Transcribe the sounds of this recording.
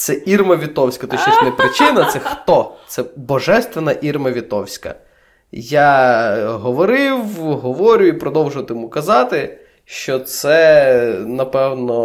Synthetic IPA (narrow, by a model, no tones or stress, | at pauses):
t̪sɛʔirmɐʋʲit̪ɔwsʲkɐt̪ɔʃt͡ʃɔʃʲnɛpɾɪt͡ʃɪnɐt̪sɛxt̪ɔt̪sɛbɔʒɛst̪ʋenɐʔirmɐʋʲit̪ɔwsʲkɐ̰ | ja | ɦɔʋɔɾɪwɦɔʋɔɾʲʊipɾɔd̪ɔwʒʊt̪ɪjmukɐzɑt̪ɪ | ʃt͡ʃɔt̪sɛ | nɐpɛwnɔ